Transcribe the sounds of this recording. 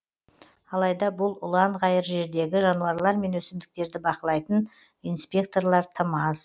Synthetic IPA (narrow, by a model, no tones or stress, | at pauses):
ɑlˠɑjd̪ɑbʊlˠʊlˠɑɴʁɑjəɾʒe̞ɾd̪e̞ɡʲɪʒɑnuɑɾlˠɑɾme̞nwɵsɪmd̪ɪk̚t̪e̞ɾd̪ɪbɑqəlˠɑjt̪ən | ijnspʲe̞k̚t̪o̞ɾlˠɑɾt̪ʰəmɑz